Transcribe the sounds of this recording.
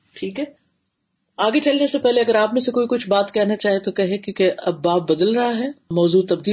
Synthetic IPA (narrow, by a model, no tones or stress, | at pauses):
ʈʰiːkɦɛː | aːɡet͡ʃɐlnesepɛɦleɐɡəɾaːpmẽsekoːikʊt͡ʃʰbaːt̪kɛɦnat͡ʃaːɦiet̪okɛɦẽkjõːkeɐbːaːp̚bɐd̪əlɾɐɦaɦɛːmɔːzuːt̪ɐb̚d̪iː